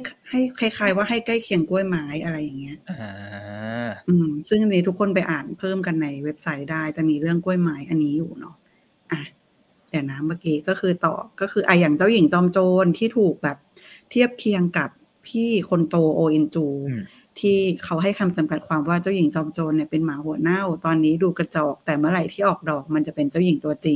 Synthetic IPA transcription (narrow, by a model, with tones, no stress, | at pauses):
ha˥˩jkʰa˥˩jkʰaː˧jwaː˥˩ɦa˥˩jka˥˩jkʰi˧əŋku˥˩əjmaː˧˦˥jʔa˧ɾa˧jːa˨˩ŋːi˦˥ɐʔ | ʔɯː˧msɯ˥˩ŋniː˦t̪ʰu˦˥kʰːo˧npa˧jʔaː˨˩npʰɤː˥˩mka˧nːa˧jwe˦˥p̚sa˦˥jdaː˥˩jt͡ɕa˨˩miː˧ɾɯ˥˩əŋku˥˩əjmaː˨˦˥jʔa˧nːiː˦˥juː˨˩nɔ˦˥ | ʔa˧˩ | dɛ˨˩naː˦˥mːaː˧˩kiː˧kɔː˥˩kʰɯː˧t̪ɔ̰ː˨˩kɔː˥˩kʰɯː˧ʔaː˨˩jaː˨˩ŋt͡ɕa˥˩wji˨˩˦ŋt͡ɕɔː˧mt͡ɕoː˧nt̪ʰiː˥˩t̪ʰuː˨˩k̚bɛː˨˩p̚ | t̪ʰi˥˩əp̚k̪ʰi˧əŋka˨˩pʰː | iː˥˩kʰo˧nt̪oː˧ʔoː˧ʔi˧nt͡ɕuː˧ | t̪ʰiː˥˩kʰa˦˥wɦa˥˩jkʰa˧mt͡ɕa˧mka˨˩t̪̚kʰwaː˧mwaː˥˩t͡ɕa˥˩wji˨˩˦ŋt͡ɕɔː˧mt͡ɕoː˧nːi˧˩ɐpe˧nmaː˩˦hu˩˦ɐna˥˩wt̪ɔː˧nːiː˦˥duː˧ka˧t͡ɕɔː˨˩k̚t̪ɛː˨˩mɯ˥˩əɾa˨˩jt̪ʰiː˥˩ʔɔː˨˩k̚dɔː˨˩k̚ma˧nt͡ɕa˨˩pe˧nt͡ɕa˥˩wji˨˩˦ŋt̪u˧ɐt͡ɕi˧ŋ